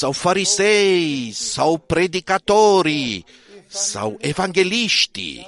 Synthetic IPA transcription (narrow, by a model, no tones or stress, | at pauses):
sawfaɾizɛjsawpɾed̪ikat̪oɾi | sa̰wevãŋɡeliʃt̪ḭ